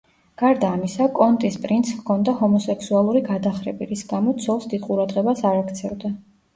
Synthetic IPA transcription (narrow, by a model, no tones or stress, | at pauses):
ɡ̥aɾd̪aːmisakʼɔnt̪ʼispʼɾint̪shkʰɔnd̪aɦɔmɔsɛksualˠuɾiɡad̪aχɾɛbiɾisɡamɔt̪sʰɔlˠsd̪id̪qʼuɾad̪ʁɛbasaɾakʰt̪sʰɛvd̪a